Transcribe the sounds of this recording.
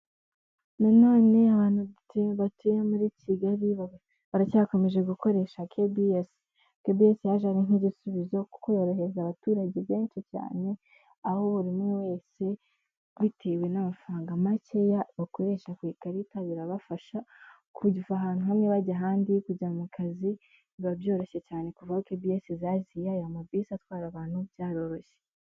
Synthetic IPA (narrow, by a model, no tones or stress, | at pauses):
nano̞ːne̞aβaːn̥huteβatʰujemuɾiːciɡaɾi | βaɾacaːko̞me̞ʒe̞ɡuko̞ɾe̞ːʃakʰebies | kebiesijaʒaɣeniɟisuβizo̞ko̥kojoɾoɦe̞zaβatuːɾaɟe̞βe̞ːnʃica̰ːne̞ | aho̞uɾimŋewe̞ːse̞ | βitʰewe̞namafaːŋɡamace̞jaβako̞ɾe̞ːʃakwiːkaɾitaβiɾaβafaʃa | kʰuɟifaɦaːn̥uhaniβaɟaɦaːndikuɟamukʰazi | βabjo̞ːɾo̞ɕe̞caːne̞kuvahokebiesizazijajamabisatwaːɾaβaːn̥hubjaːɾo̞ɾo̞çe